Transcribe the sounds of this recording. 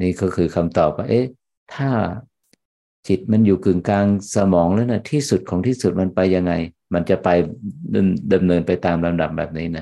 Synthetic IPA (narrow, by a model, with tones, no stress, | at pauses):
niː˥˩kɔː˥˩kʰɯː˧kʰa˧mt̪ɔː˨˩p̚waː˥˩ʔeː˦˥ | t̪ʰaː˥˩ | t͡ɕi˨˩t̪̚ma˧njuː˨˩kɯ˨˩ŋkaː˧ŋsa˧mɔː˩˦ŋlaː˦˥wna˦˥˩t̪ʰiː˥˩su˨˩t̪̚kʰɔː˩˦ŋt̪ʰiː˥˩su˨˩t̪̚ma˧npa˧jːa˧ŋːa˧j | ma˧nt͡ɕa˨˩pa˧jdmda˧mnɤː˧npa˧jt̪aː˧mla˧mda˨˩p̚bɛː˨˩p̚niː˦˥na˦˩